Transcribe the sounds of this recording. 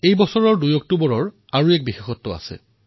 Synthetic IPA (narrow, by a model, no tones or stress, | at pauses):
ejbɔsɔɹɔɹdujɔk̚tobɔɹɔɹ | aɹuɛk̚bixexɔtːɔa̰sɛ̰